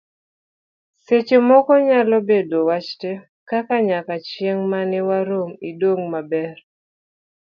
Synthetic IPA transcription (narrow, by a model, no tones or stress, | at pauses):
set͡ʃomɔkɔɲalɔbedowat͡ʃte | kakaɲakat͡ʃjeŋmanɛwaɾomidoŋmabɛr